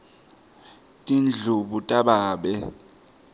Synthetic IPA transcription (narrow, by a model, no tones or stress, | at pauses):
tʼind͡ɮʱuɓutʼaɓaːɓɛ